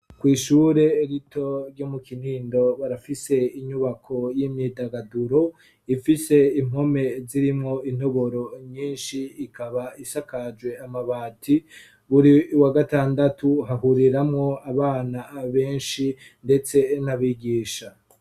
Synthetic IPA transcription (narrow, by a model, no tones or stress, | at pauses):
kwiːʃuːɾe̞ːɾitʰo̞ɾɟomukin̥iːndo̞βaɾafise̞iɲuβakʰo̞jimɲiːdaɡaduɾo̞ | ifise̞im̥ho̞me̞ziɾimŋo̞in̥o̞βo̞ɾo̞ɲiːnʃiːkʰaβaisakad͡ʒwe̞amaβaːtʰi | βuɾiwaɡataːndatuɦaɦuɾiɾamŋo̞aβaːnaβe̞ːnʃi | nde̞t͡se̞naβiɡiːʃa